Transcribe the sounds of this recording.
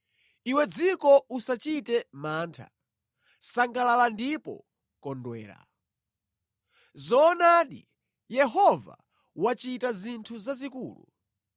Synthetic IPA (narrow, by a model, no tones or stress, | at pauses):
iwɛd͡zikɔusat͡ʃitɛmaːntʰa̰ | saŋɡalalandipɔ̰ | kɔndwɛ̰ːɾa̰ | zɔːnaɗḭ | jɛɦɔva̰ | wat͡ʃitazintʰuzazikuːlṵ